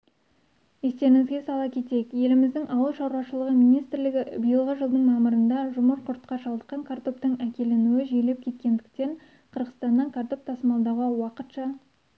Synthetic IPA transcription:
je̞st̪e̞ɾɪŋɪzɡʲesɑlˠɑkʲʰe̞t̪e̞jɪkje̞lɪmɪzd̪ɪŋʔɑwəlˠʃɑwɾɑʃəlˠəʁəmijnijst̪ɾlɪɡʲɪbəjəlˠʁəʒəlˠd̪əɴmɑməɾənd̪ɑʒʊməɾqʰʊɾt̪̚qɑʃɑlˠəq̪̚ːɑŋkʰart̪o̞p̚t̪əɴækʲe̞le̞nuwɪʒele̞p̚kʲʰe̞t̪̚kʲe̞nd̪ɪk̚t̪e̞ɴ | qʰəɾʁəst̪ɑnːɑkʰart̪o̞p̚t̪ʰɑsmɑlˠd̪ɑʁɑwɑqət̪ʃɑ

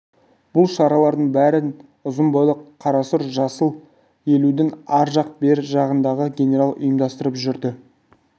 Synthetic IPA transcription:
b̥ʊlˠʃɑɾɑlˠɑɾd̪əɴbæɾɪn | ʊzəmbɑlˠəqqʰːɑɾɑsəɾʒɑsəlˠ | e̞lud̪ɪnɑɾʒɑq̚be̞ɾʒɑʁənd̪ɑʁəɡʲe̞nʲe̞ɾalˠʊ̰jəmd̪ɑst̪əɾəpʒʏɾd̪ɪ

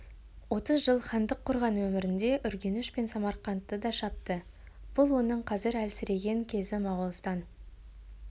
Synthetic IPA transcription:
wo̞t̪əzʒəlˠχɑnd̪əqʰːʊɾʁɑnwɵmɪɾɪnd̪e̞ʔʏɾɡʲe̞nɪʃpe̞nsɑmɑɾqɑnt̪ːəd̪ɑʃɑp̚t̪ə | b̥ʊlˠwo̞nəɴqʰɑzɪɾælsɪɾe̞ɡʲe̞ŋkʲʰe̞zɪmɑʁʊlˠst̪ɑn

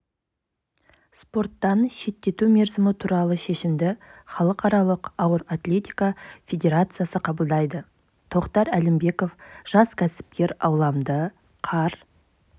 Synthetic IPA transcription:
spo̞rt̪ːɑnʃe̞t̪ːe̞t̪umʲe̞ɾzɪmɪt̪ʰuɾɑlˠəʃe̞ʃɪmd̪ɪχɑlˠəqɑɾɑlˠəqɑwəɾat̪lʲe̞t̪ʲijkafʲe̞dʲe̞ɾat̪sɨjasəqʰɑbəlˠd̪ɑjd̪ə | t̪ʰo̞qt̪ɑɾælɪmbe̞ko̞fʒ̥ɑskʲʰæsɪ̥p̚kʲe̞ɾɑ̰wlˠɑmd̪ə | qʰɑɾ

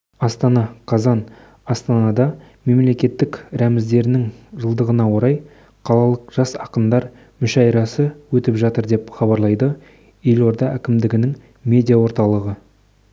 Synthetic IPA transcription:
ɑst̪ɑnɑqʰɑzɑn | ɑst̪ɑnɑd̪ɑ | me̞mle̞kʲe̞t̪ːɪkɾæmɪzd̪e̞ɾɪnɪŋʒəlˠd̪əʁənɑwo̞ɾɑj | qʰɑlˠɑlˠəqʒ̥ɑsɑqəmd̪ɑɾ | mʏʃɑjɾɑsəwɵt̪ɪpʒɑt̪əɾd̪e̞pχɑbɑɾlˠɑjd̪ə | je̞lwo̞ɾd̪ɑʔækʲɪmd̪ɪɡʲɪnɪŋ | mʲe̞d̪ʲijawo̞ɾt̪ɑlˠəʁə

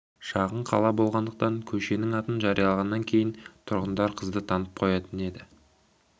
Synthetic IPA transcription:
ʃɑʁəɴqʰɑ̰lˠɑbo̞lˠʁɑnd̪əq̚t̪ɑŋkʲʰɵʃe̞nɪŋɑt̪ənʒɑɾijɑlˠɑʁɑnːɑŋkʲʰe̞jɪnt̪ʰʊɾʁənd̪ɑɾqʰəzd̪ət̪ʰɑnəp̚qʰo̞jɑt̪əne̞d̪ɪ

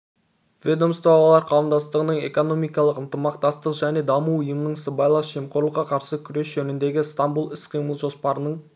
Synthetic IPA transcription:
vʲed̪o̞mst̪ɑwɑlˠɑɾqʰɑwəmd̪ɑst̪əʁənəɴe̞̰ko̞no̞mijkɑlˠəqənt̪əmɑqt̪ɑst̪əqʒæne̞d̪ɑmuʊjəmənəɴsəbɑjlˠɑsʒe̞mqʰoɾlˠəqːɑqʰɑɾsəkʲʰʏɾe̞sʒɵnɪnd̪e̞ɡʲɪst̪ambulˠɪsqʰijməlˠʒo̞spɑɾənəɴ

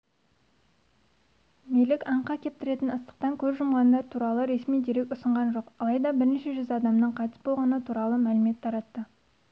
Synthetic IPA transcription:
melɪkʲɑɴqɑkʲʰe̞p̚t̪ɪɾe̞t̪ɪnəst̪ə̥q̚t̪ɑŋkʲʰɵzʒʊmʁɑnd̪ɑɾt̪ʰuɾɑlˠəɾe̞smijd̪eɾekʲʊsəɴʁɑnʒo̞qɑlˠɑjd̪ɑbɪɾneʃe̞ʒʏzɑd̪ɑmnəɴqʰɑt̪ɪ̥sbo̞lˠʁɑnət̪ʰuɾɑlˠəmælɪme̞t̪ʰːɑɾɑt̪ːə

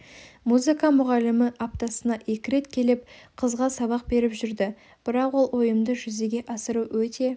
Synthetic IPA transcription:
muzɨkamʊʁɑlːɪmɪʔap̚t̪ɑsənɑʔe̞kʲɪɾe̞t̪kʲʰe̞lɪp̚qʰəzʁɑsɑβɑq̚be̞ɾɪpʒʏɾd̪ɪ | b̥ɪɾɑqwo̞lˠwo̞jəmd̪əʒʏze̞ɡʲe̞ʔɑsəɾuwɵt̪e̞

